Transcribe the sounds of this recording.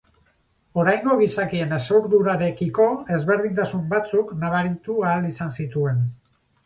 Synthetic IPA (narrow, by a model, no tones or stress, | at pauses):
o̞ɾajŋɡo̞ɣ̞isakie̞ne̞sawɾðuɾaɾe̞kiko̞e̞zβe̞ɾð̞int̪asumbat͡suknaβ̞aɾit̪uaːlisansit̪ue̞n